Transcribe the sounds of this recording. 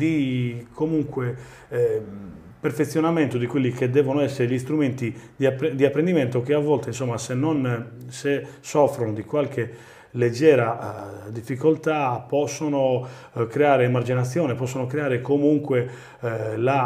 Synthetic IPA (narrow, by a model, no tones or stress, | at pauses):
d̪ikʰomuŋkwe | perfet̪sːjonament̪od̪ikwelːik̟ed̪ɛːvonoɛsːeɾeʎist̪ɾument̪id̪iapd̪iapːɾend̪imɛnt̪ok̟eavːɔlt̪einsɔmːasenːonsesɔfɾonod̪ikwalke | led͡ʒːɛːɾad̪ifːikolt̪apɔsːono | kɾeaːɾeːmard͡ʒinat̪sːjɔːnepɔsːonokɾeaːɾekomuŋkwe | la